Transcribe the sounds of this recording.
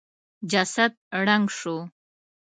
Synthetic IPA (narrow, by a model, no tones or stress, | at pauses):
d͡ʒasat̪̚ɽaŋʂʊ